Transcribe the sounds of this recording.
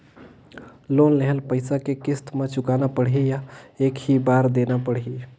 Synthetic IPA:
lonleɦəlpəɪsakekɪst̪mẽt͡ʃʊkanapəɽɦijaeːkɦibaːɾd̪enapəɽ̤ɦi

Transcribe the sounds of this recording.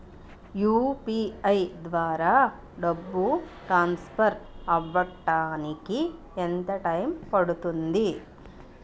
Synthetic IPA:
juːpiɐjd̪ʋaːɾa | ɖɐbːu | ʈɾaːnspʰɐɾɐʋːɐʈːaːniki | ent̪ɐʈɐjmpɐɽut̪und̪i

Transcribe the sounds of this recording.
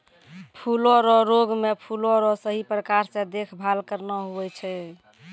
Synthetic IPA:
pʰulɔɾɔɾoɡmepʰulɔɾɔsəɦipɾəkaɾsẽd̪ekʰbʱalkəɾnɔɦuɛt͡ʃʰɛ

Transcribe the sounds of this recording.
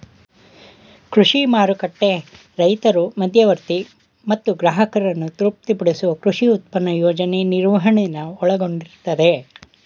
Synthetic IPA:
kɾuʂimaːɾukɐʈːe̞ | ɾɐjt̪ɐɾumɐd̪ʱjɐʋɐɾt̪i | mɐt̪ːuɡɾaːɦɐkɐɾɐnːut̪ɾup̚t̪ipɐɽesuʋɐkɾuʂiut̪̚pɐnːɐjoːd͡ʒɐneniɾʋɐɦɐɳejnːɐɔɭɐɡo̞ɳɖiɾt̪ːɐd̪e̞

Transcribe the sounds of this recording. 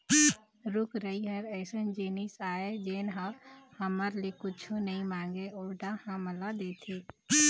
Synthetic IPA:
ɾʊkɾəiɦəɾɛːsənd͡ʒeːnisaːed͡ʒeːnɦahəməɾlekʊt͡ʃʰonəĩmãːŋɡeoːɾɖahãməlad̪eːt̪ʰeː

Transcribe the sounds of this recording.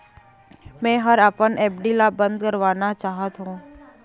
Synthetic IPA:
mɛ̃ːɦəɾaːpənʔɛːpɖilabə̃nd̪kəɾʋaːnat͡ʃaːɦət̪ɦũː

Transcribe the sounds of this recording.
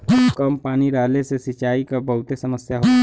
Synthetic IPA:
kəmpaːniɾaːlesesit͡ʃaːikabəɦʊt̪esɐməsjaɦo

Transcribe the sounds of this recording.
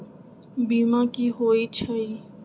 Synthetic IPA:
biːmãːkiːɦoːiːt͡ʃʰəiː

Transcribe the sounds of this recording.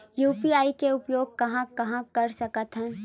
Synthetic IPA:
juːpiaːikeʊpjoːɡ̚kɐɦãkɐɦãkɐɾsɐkət̪ɦɛ̃ː

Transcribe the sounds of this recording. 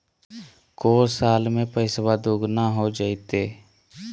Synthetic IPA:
koːɾsaːlmẽpəɪswad̪uɡnaɦod͡ʒaːit̪eː

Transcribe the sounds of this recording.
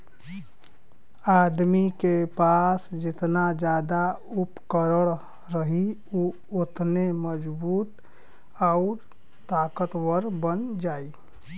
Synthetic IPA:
ad̪mikepasd͡ʒet̪nad͡ʒad̪a | upkəɾəɽ̃ | ɾəɦi | u | ot̪neməd͡ʒbuːt̪ | aʊɾ | t̪akət̪wəɾbənd͡ʒai

